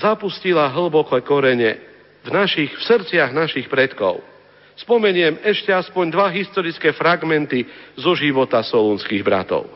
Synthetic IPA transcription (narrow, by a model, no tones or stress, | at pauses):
zapuscilaɦl̩bɔkɔkɔɾɛɲɛ | vnaʃixfsɾt͡sɪaɣnaʃixpɾɛt̪kɔ̰ʊ | spɔmɛɲɪɛmɛʃcɛaspɔɲd̪ʋaɦist̪ɔɾit͡skɛːfɾaɡmɛnt̪izɔʒiʋɔt̪asɔlunskiɣbɾa̰t̪ɔ̰ʊ